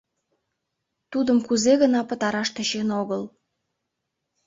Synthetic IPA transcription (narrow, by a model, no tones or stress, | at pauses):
t̪ud̪əmkuzeɣənɑpə̆t̪ɑɾɑʃt̪ĕʃenoɣəl